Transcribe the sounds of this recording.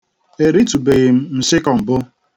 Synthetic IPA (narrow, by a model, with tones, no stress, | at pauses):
e˨ɾi˦tu˨be˨ɣɪ˨m̩˦m̩˨sɪ˦kɔ˨m̩˨bʊ˦